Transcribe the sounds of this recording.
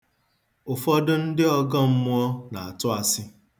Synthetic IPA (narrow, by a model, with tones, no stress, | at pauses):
ʊ˨fɔ˦dʊ˦n̩˦dɪ˦ɔ˦ɡɔ˦m̩˦mʊ˦ɔ˦na˨a˨tʊ˦a˨sɪ˦